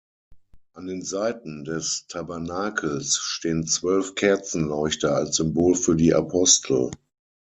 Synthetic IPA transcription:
ʔandeːnzaɪtn̩dɛstʰabɛɐnaːkʰl̩sʃteːənt͡sv̥œlfkʰɛɐt͡sn̩lɔɪçtɐalsz̥ʏmboːlfyːɐdiːʔa̰pʰɔstʰl̩

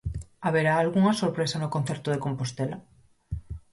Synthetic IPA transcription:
aβeɾaːlɣuŋasoɾpɾesanokon̟θeɾt̪oðekompost̪ela

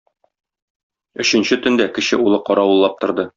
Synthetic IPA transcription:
ɵ̆ɕɘ̆nɕɘt̪ɵ̆nd̪ækɘ̆ɕɘʔulˠɤqɒɾɑwɤ̆lˠːɑp̚t̪ŏɾd̪ɤ

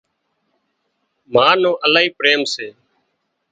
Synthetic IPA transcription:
maːnõːʔəlaːɦiːpɾeːmseː

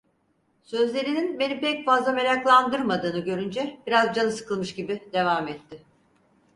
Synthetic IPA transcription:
sø̞zlʲe̞ɾininbe̞nipɛcfazlˠame̞ɾaklˠand̪ɯɾmad̪ɯːnɯɟø̞ɾynd͡ʒɛbiɾazd͡ʒanɯsɯ̥kʰɯlˠmɯʃɟibid̪̥e̞vaːmɛt̪ʰːɪ

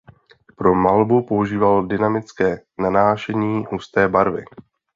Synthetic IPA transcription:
pɾo̞malbupo̞uʒiːvaldɪnamɪt͡skɛːnanaːʃɛɲiːɦust̪ɛːbaɾvɪ̰

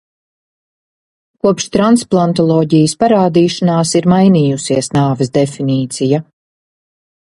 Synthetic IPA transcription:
kuɔpʃt̪ɾansplˠant̪̬ɔlˠɔːɟijəspaɾaːd̪iːʃanaːsiɾmajniːjusiɛsnaːvɛsd̪efiniːt̪sija

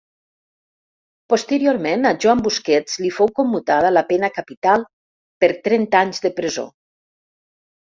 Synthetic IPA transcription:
post̪əɾioɾmenaʒwambuskɛt͡slifowkomːut̪að̞alapɛnakapit̪alˠ | pəɾt̪ɾɛnt̪aɲzðəpɾəzo̰

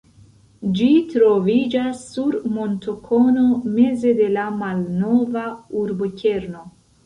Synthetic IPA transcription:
d͡ʒitɾo̞vid͡ʒasːuɾmo̞ntokʰo̞no̞me̞ze̞de̞lamalno̞vauɾbocʲe̞ɾno̞

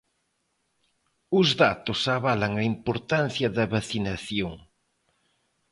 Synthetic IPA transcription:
ʊzðat̪ʊsaβalɐŋɐimpoɾt̪an̟θjɐðɐβaθinɐθjoŋ

